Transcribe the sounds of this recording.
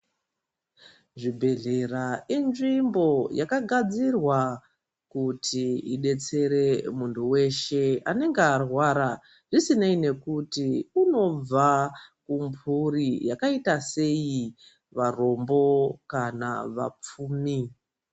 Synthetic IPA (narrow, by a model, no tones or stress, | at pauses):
ʐibʱe̞ɮe̞rainʐimbo̞jakaɡʱad͡zirwa | kutʰiḭɗe̞t͡se̞ɾe̞muntʰuwe̞ʃe̞ane̞ŋɡearwaɾa | ʐisinaine̞kutiuno̞b͡vakumpʰurijakaitase̞ji | ʋaro̞mbo̞kana̰ʋa̰p͡fuːmi